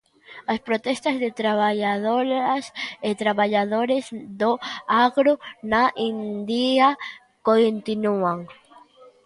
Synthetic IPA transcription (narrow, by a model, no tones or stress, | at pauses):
aspɾot̪est̪azðet̪ɾaβaʎaðoɾaset̪ɾaβaʎaðoɾezðoaɣɾonaʔind̪ia | kont̪inuaŋ